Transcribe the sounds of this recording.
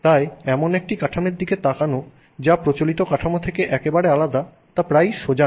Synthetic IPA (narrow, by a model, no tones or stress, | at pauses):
t̪ajɛmonek̚ʈikaʈʰameɾd̪iket̪akano | d͡ʑapɾot͡ɕolit̪okaʈʰamot̪ʰekeʔɛkebaɽealad̪a | t̪apɾajʃod͡ʑa